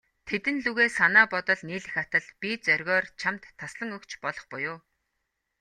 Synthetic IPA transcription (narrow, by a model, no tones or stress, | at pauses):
t̪ʰet̪ɘ̆nɮɵɣeːsanaːpɔt̪ɞ̆ɮniːɮɘ̆xat̪ə̆ɮpʲit͡sœrʲɣɔːrt͡ɕʰamt̪ʰːasɮə̆ŋɵkt͡ɕpɔɮɞ̆χpʊjʊː